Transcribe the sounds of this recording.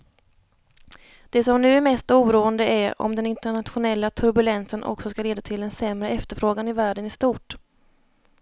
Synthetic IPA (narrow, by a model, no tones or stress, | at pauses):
d̪̥ɛsɔmnʉ̟ːæɾmɛst̪uːɾuːənd̪əʔæɾɔ̰md̪ɛnɪnt̪əɳat̪ɧʊnɛlːat̪ʰɵɾbɵlɛnsənʔɔ̰ksɔskaleːd̪at̪ʰɪld̪ɛnsɛmɾəɛft̪əɾfɾoːɡanɪvæːɖənɪst̪uːʈ